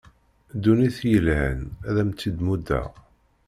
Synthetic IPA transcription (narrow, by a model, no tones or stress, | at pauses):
d̪ːuniθjəlʕə̰næðæmt͡sːid̪mud̪æ̰